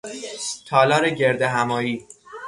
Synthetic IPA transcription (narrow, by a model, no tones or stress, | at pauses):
t̪ʰɒːlɒːɾeɟe̞ɾd̪eɦæmɒːjiː